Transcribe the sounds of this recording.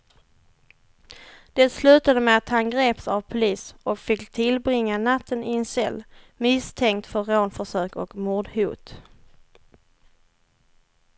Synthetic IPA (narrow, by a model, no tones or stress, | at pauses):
d̪̥ɛt̪slʉ̟ːt̪ad̪əmɛat̪hanɡɾeːpsavpʰʊliːsɔkfɪkt̪ʰɪlbɾɪŋːanat̪ʰːənɪɛnsɛ̰lː | mɪst̪ʰɛŋkt̪fœɾːoːnfœʂøːkɔkmuːd̪huːt̪